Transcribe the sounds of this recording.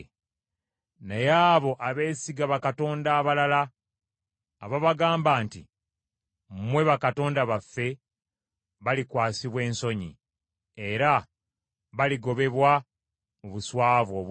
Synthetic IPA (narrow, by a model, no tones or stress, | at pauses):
nejaːβo̞ʔaβe̞ːsiɡaβakato̞ːndaːβalala | βaβaɡaːmbaːntḭ | mmwe̞βakato̞ːndaβafːe̞ | βalikwaːsiβwe̞ːnso̞ɲḭ | e̞ɾa | βaliɡo̞βe̞βwa | oβuswaːvo̞ː